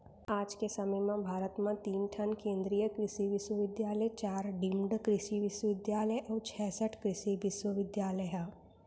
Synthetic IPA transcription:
aːd͡ʒkesɐməjmãbʱaːɾət̪mãt̪iːnʈʰənkẽːnd̪ɾijəkɾɪʃiʋɪʃwəʋɪd̪jaːləjt͡ʃaːɾɖɪmɖkɾɪʃiʋɪʃwəʋɪd̪jaːləjʔɔːɾt͡ʃʰɛːsəʈʰkɾɪʃiʋɪʃwəʋɪd̪jaːləjɦa

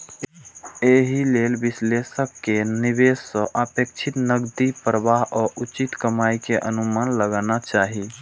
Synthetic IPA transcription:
eɦilelbislesəkːenibesːə̃ʔəpekt͡ʃʰit̪nəɡd̪ipɾəʋaɦɔːɾut͡ʃit̪kəmaikeʔə̰numanləɡanat͡ʃaːɦi

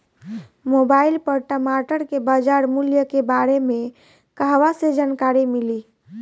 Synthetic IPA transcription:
mobailpəɾʈəmaʈəɾkebad͡ʒaɾmuljəkebaɾemẽ | kaɦʋased͡ʒaːnkaɾimili

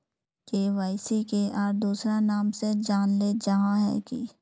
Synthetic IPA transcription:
keːʋaːɪsikeʔaːɾd̪uːsɾanaːmsed͡ʒaːnled͡ʒɐɦãɦɛ̰kḭ

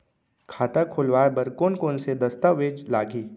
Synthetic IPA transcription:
kʰaːt̪akʰʊlʋaːebɐɾkoːnkoːnsed̪ɐst̪aʋeːd͡ʒlaːɡiː

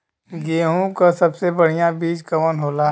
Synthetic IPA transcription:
ɡeːɦũkasɐbsebɐɽ̤ijãbiːd͡ʒkɐʋənɦoːlaː

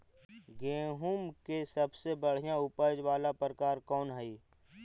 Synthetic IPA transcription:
ɡẽːɦumkesəbsebəɽ̤ijãʊpəd͡ʒʋaːlapɾəkaːɾkɔːnɦɛiː

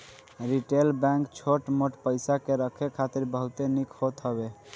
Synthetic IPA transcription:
ɾiʈelbɛ̃ŋkt͡ʃʰoʈmoʈpəɪsakeɾəkʰekʰat̪iɾbəɦut̪enikʰɦot̪ɦəbe

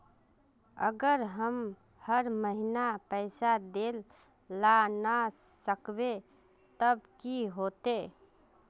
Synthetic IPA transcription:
ə̰ɡəɾɦəm | həɾməɦinapəɪsad̪el | lanasəkbe | t̪əbkiɦot̪e

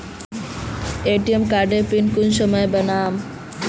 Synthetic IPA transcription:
eʈiemkaɾɖeɾpinkunʃɔmɔebənaːm

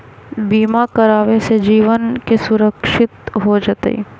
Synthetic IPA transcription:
biːmakɐɾaːʋesed͡ʒiːʋənkesʊɾəkʃɪt̪ɦod͡ʒat̪ḛḭ

